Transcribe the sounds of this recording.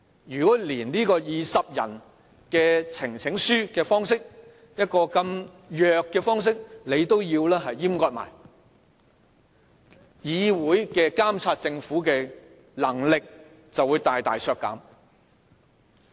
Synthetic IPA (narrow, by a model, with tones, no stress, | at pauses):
jyː˨kɔː˨˥liː˨˩nniː˥kɔː˧jiː˨sɐ˨p̚jɐ̰˨˩n | kɛː˧t͡sʰɪ˨˩ŋt͡sʰɪ˨˥ŋsyː˥kɛː˧fɔː˥ŋsɪ˥k̚ | jɐ˥t̚kɔː˧kɐ˧m | jœː˨kːɛː˧fɔː˥ŋs̬ɪ˥k̚le˨˧jt̪o˥wjiː˧wlɛː˥ɦɐ˨jːiː˥mkɔː˧t̚ma̰ː˨˩j | jiː˨˧wuː˨˥jkɛː˧kaː˥mt͡sʰaː˧t̚t͡sɪ˧ŋfuː˨˥kɛː˧ | lɐ˨˩ŋlɪ˨k̚ | t͡sɐ˨wːuː˨˧jt̪aː˨jt̪aː˨jsʰœː˧kːɐ̰˨˥m